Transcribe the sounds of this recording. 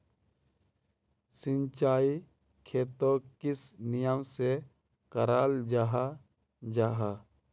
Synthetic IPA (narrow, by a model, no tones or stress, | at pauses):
sɪnt͡ʃaːi | kʰeːt̪okɪsnɪjəmse | kəɾaːld͡ʒaɦa | d͡ʒaːɦa